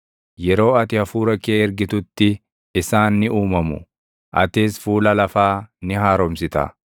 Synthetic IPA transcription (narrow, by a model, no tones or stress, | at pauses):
jɛɾo̞ːɐt̪ɪhɐfuːɾɐkːeːɛɾɡɪt̪ʊt̪ːɪː | saːnːɪuːmɐmʊ̰ | ʔɐ̰t̪ɪsfuːlɐlɐfaːnɪɦaːɾɔmsɪt̪ɐ̰